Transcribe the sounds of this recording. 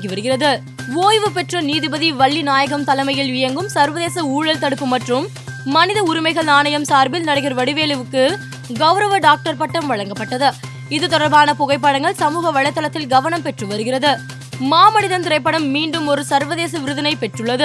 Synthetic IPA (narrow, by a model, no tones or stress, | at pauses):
ɡiʋɐɾɯɣɪrɐðɯ | ʋoːjʋɯpɛʈrɐniːðɯbɐðiʋɐɭːinaːjɐɣɐmt̪ɐlɐmɐjɪlʋɪjɐŋɡɯmsɐɾʋɐðeːsɐuːɻɐlt̪ɐɽɯpːɯmɐʈrɯmː | ɐnɪðɐʊɾɪmɐɪɣɐɭnaːnɐjɐmsaːɾbɪlnɐɽɐɣɪɾʋɐɽɪʋeːlɯʋɯkːɯ | ɡɐʋɾɐʋɐɖaːk̚ʈɐɾpɐʈːɐmʋɐɻɐŋɡɐpːɐʈːɐðɯ | ɪðɯt̪ɔɽɐɾbaːnɐpɔɣɐɪp̬ːaɽɐŋɡɐɭsɐmuːɣɐʋɐɻɐɪt̪ːɐlɐt̪ːɪlɡɐʋɐnɐmpɛʈrɯʋɐɾɯɣɪrɐðɯː | aːmɐnɪðɐnt̪ɪɾɐɪpːɐɽɐmːiːɳɖɯmɔɾɯsɐɾʋɐðeːs̬ɐʋɪɾɯðɐnɐɪpɛʈrɯɭːɐðɯ